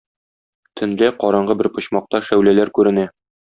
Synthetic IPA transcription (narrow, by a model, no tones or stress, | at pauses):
t̪ʰɘ̆nlæqɒɾɑɴɢɤbɘɾpɤ̆ɕmɑq̚t̪ɑʃæwlælæɾkʉɾɘ̆næ